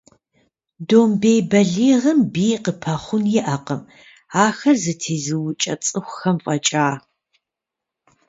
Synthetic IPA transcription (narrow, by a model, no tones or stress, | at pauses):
doːmbejbɐɮiːʁɐmbiːqəpʰɐχʷʊnjɪʔɐqɐm | aːxɐrzɨtʰeːzɨwʊt͡ʃʼɐt͡sʼɨχʷʊxɐmfʼɐt͡ʃʼaː